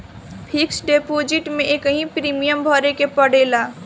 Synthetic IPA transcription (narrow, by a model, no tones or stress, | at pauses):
pʰiksɖepod͡ʒiʈmeʔekəɦĩpɾimijəmbʱəɾekepəɽ̤ela